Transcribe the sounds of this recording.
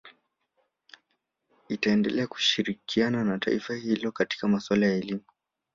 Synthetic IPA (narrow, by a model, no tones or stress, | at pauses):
itaɛndɛlɛaku̥ʃiɾikiananata̰ifahilɔkati̥kamaswalajaɛlimu